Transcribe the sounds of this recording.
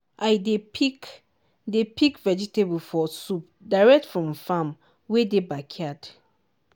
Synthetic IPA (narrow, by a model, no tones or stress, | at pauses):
ʔajdepi | depʰikvɛd͡ʒitʰebəlfɔsup̚ | daɪɹɛk̚tfɹɔ̃mfãm | wedebakʰiad